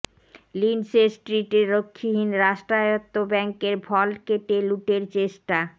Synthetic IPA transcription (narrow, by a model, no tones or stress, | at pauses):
linsesʈɾiʈeɾːokʰːiɦinɾaʃʈɾajot̪ːobɛŋkeɾbʱɔlkeʈeluʈeɾt͡ɕeʃʈa